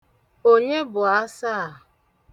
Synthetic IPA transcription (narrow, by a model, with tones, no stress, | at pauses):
o˦ɲe˦bʊ˨a˦sa˦˨